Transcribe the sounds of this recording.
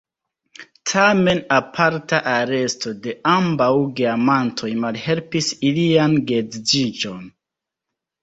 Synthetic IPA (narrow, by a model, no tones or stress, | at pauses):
tʰame̞napʰaɾtaʔaɾe̞sto̞de̞ʔambawɡiamantʰo̞jmalhe̞lpisilianɡe̞d͡zd͡ʒid͡ʒo̞n